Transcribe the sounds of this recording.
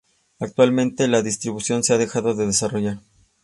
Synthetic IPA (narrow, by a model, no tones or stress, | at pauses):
ak̚t̪walmẽ̞nt̪e̞laðist̪ɾiβusjo̞nseaðe̞xaðo̞ðe̞ðe̞saro̞ʝaɾ